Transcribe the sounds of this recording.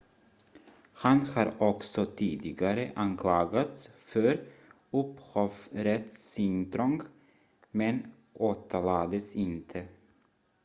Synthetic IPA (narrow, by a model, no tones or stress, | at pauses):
hanhɑːɾɔksɔt̪ʰiːd̪ɪɡaɾəʔankʰlɑːɡat̪sfœɾ | ɵphɔfɾɛt̪sʏŋt̪ɾɔŋɡ | mɛn | ʔoːt̪ʰəɭɑːd̪əsɪnt̪ʰə